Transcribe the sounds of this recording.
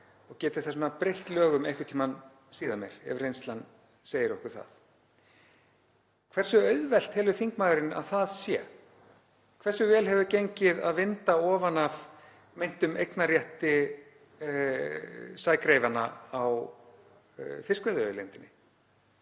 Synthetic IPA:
ɔɣcɛːt̪ɪ̥θasʏnapɾejht̪lœːɣʏmejhkɪt̪ʰiman | siːðamjɛ̰ɾ̥ɛ̰vrejnst̪lan | seːjɪɾɔhkʏ̥ɾ̥θa̰ð | kʰvɛr̥sʏœɥðvɛl̥t̪hɛlvʏθiŋkmaːðʏɾɪna̰ðθaðsjɛ̰ | kʰvɛrsʏvɛːlɦɛvʏcejɲcɪða̰ðvɪnt̪aɔːvanav̥ | mejn̥t̪ʏmejknaɾrjɛht̪ɪ | saːjkɾejvana̰aw | fɪskvɛðʏlḛjnt̪ɪnːɪ

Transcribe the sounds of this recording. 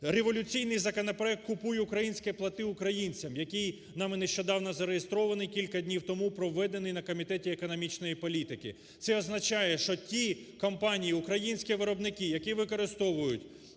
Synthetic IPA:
reʋɔlʲʊt͡sʲijnɪjzɐkɔnɐpɾɔɛk̚t̪kʊpujɛukɾɐjinʲsʲkɛplˠɐt̪ɪʊkɾɐjinʲt͡sʲɐmjɐkʲij | nɑmɪneʃt͡ʃɔd̪ɑwnɔzɐɾejest̪ɾɔʋɐnɪjkʲilʲkɐd̪ʲnʲiwt̪ɔmupɾɔʋːɛd̪enɪjnɐkɔmʲit̪ɛtʲiekɔnɔmʲit͡ʃnɔjipɔlʲit̪ɪkɪ̰ | t̪sɛɔznɐt͡ʃɑjɛʃt͡ʃɔtʲikɐmpɑnʲijiukɾɐjinʲsʲkʲiʋɪɾɔbnɪkɪjɐkʲiʋɪkɔɾɪst̪ɔʋʊjʊtʲ

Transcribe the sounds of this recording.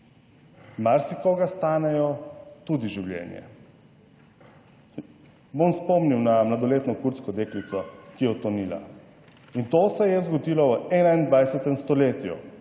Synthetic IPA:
maɾsikɔɡast̪aːnɛjɔt̪ud̪iʒiwlʲjɛ̰njɛ̰ | bomspɔmniwnamlad̪ɔleːt̪nɔkuɾt̪skɔd̪eːklit̪sɔkijɛɔt̪ɔnila̰ | int̪oːsɛjɛzɡɔd̪ilɔɛːnaind̪ʋajsɛt̪ɛmst̪ɔleːt̪jṵ

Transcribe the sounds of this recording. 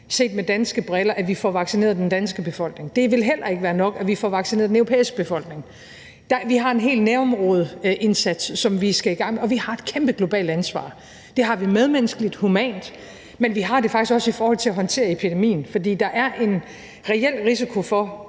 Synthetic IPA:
se̝̰ːd̥med̥ænsɡ̥əb̥ʁɛlɐʔæʋifɒʋɑ̈ɡ̥sine̝ːɐðˠd̥end̥ænsɡ̥əb̥e̝fɒ̽l̰ɡ̥ne̝ŋd̥e̝ʋe̝lɦel̰ɐe̝ɡ̥əʋæːɐnɒ̽ɡ̥æʋifɒʋɑ̈ɡ̥sinḛɐðˠdenøʊʁopʰḛːisɡ̥əb̥e̝fɒ̽l̰ɡ̥ne̝ŋ | d̥ɑʋiɦɑ̈e̝nɦe̝̰ːlnæɐmʁɔːð̞ˠəʔe̝nsæd̥sːɒ̽mʋisɡ̥æiɡ̥ɑ̈ŋ̰meɒ̽ʋihɑ̈e̝d̥kʰemb̥əɡ̥lo̝b̥ɛ̰ːld̥ænsʋɑ̰̈ː | d̥e̝ɦɑ̈ʋimeð̞ˠmenəsɡ̥əlid̥humɛ̰ːnd̥ | menʋiɦɑ̈d̥e̝fɑ̈ɡ̥isɡ̥ɒ̽sifɒːhɒ̽l̰t͡sʰe̝læɦɒ̽nt͡sʰe̝̰ːɐepʰid̥e̝mḭːn̩fɒ̽d̥ḭːd̥ɑ̈ʔæɐʔe̝n | ʁɛel̰ʁis̬ikʰo̝fɒ̽

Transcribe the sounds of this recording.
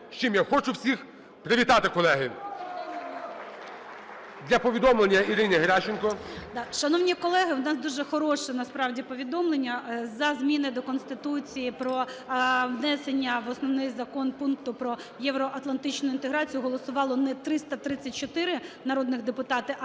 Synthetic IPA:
ʃt͡ʃɪmjaxɔt͡ʃʊwsʲix | pɾɪʋʲit̪ɑt̪ɪkɔlˠɛɦɪ | d̪lʲɐpɔʋʲid̪ɔmlˠenʲːɐiɾɪnʲɪɦɾʲat͡ʃɪnkɔd̪ɑʃɐnɔwnʲikɔlˠɛɦɪwnɑsd̪uʒɛxɔɾɔʃɛnɐspɾɑwdʲipɔʋʲid̪ɔmlˠenʲːɐzɐzmʲinɪd̪ɔkɔnst̪ɪt̪ut͡sʲijipɾɔ | ʋnɛsenʲːɐʋɔsnɔwnɪxzɐkɔnpunk̚t̪ʊpɾɔ | jɛwɾɔʔɐt̪lˠɐnt̪ɪt͡ʃnʊint̪eɦɾɑt͡sʲijʊɦɔlˠɔsʊʋɑlˠɔnɛt̪ɾɪst̪ɐt̪ɾɪt͡sʲːɐt̚ʲt͡ʃɔt̪ɪɾɪnɐɾɔd̪nɪɣd̪epʊt̪ɑt̪ɪ

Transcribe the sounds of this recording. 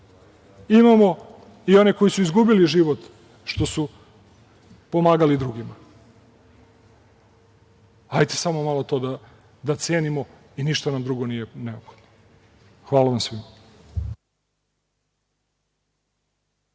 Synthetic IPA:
imamo̞ | io̞neko̞jisuizɡubiliʒiʋot̪ | ʃt̪o̞su | po̞maːɡalid̪ɾuɡima | hajt̪e̥samomalˠo̞t̪o̞d̪a | d̪at̪se̞ːnimo̞iniʃt̪anamd̪ɾuɡo̞nijeneopxod̪no | xʋaːlaʋamsʋima

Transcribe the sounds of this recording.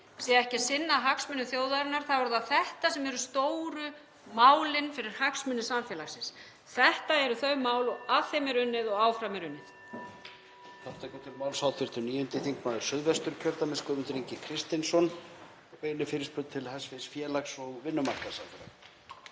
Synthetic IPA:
sjɛɛhcɪ̥sɪnːaɦaksmʏnːʏθjoːwðaɾɪnaɾ̥θaɛɾʏðaθɛht̪asɛmɛɾʏst̪oːwɾʏ | maːwlɪnfɪɾɪɾ̥haksmʏnːʏsaɱfjɛlaxsɪns | θɛht̪aɛɾʏθœɥmaːwlɔaθejmɪɾʏnːɪðɔɣaːwfɾamɪɾʏnːɪθ | θaft̪acɛːt̪ɪmaːwlsawθʰɪɾ̥t̪ʏniːjʏnt̪ɪθiŋkmaːðʏɾ̥sʏðvɛst̪ʏɾ̥cʰœɾt̪amɪskœmʏnt̪ʏɾiɲcɪkʰɾɪst̪ɪnsɔn | ejnʏfɪːɾɪspʏt̪̚t̪ʰɪlhasvɪsfjɛːlaksɔɣvɪnːʏmar̥kasamfɾa̰

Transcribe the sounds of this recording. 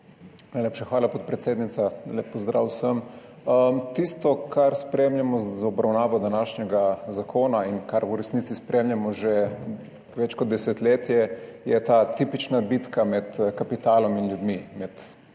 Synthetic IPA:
najlʲeːpʃaxʋaːlapɔt̪̚pɾɛt̪seːd̪nit̪salʲepːɔzd̪ɾa̰ːwsəm | əmt̪ist̪ɔkʰaɾspɾeːmljamɔzaɔbɾawnaːʋɔd̪anaʃnɛɡazakʰoːnainkaɾuɾɛsnit̪sispɾeːmlʲjamɔʒe | ʋɛt͡ʃkɔd̪̚d̪ɛsɛt̪leːt̪jɛjɛt̪aːt̪ipit͡ʃnabit̪kamɛt̪kapit̪aːlɔminljud̪mimɛt̪

